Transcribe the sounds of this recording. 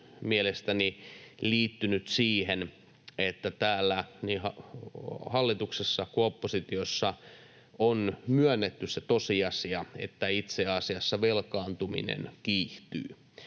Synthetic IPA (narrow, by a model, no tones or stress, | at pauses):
mielest̪æniliːt̪ːynyt̪siːhen | et̪ːæt̪æːlːænihɑ | hɑlːit̪uksesːɑkoopːosit̪iosːɑ | onmyønːet̪ːysset̪osiɑsiɑḛt̪ːæit̪seɑsiɑsːɑʋelkɑːnt̪umḭnḛnkiːht̪y̰ː